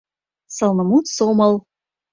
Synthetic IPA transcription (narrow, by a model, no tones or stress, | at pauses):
sɤlˠnə̆mut̪somɤlˠ